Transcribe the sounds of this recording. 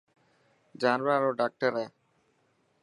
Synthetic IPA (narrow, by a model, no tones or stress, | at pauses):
d͡ʒaːnʋaɾoːɖaːk̚ʈəɾɛː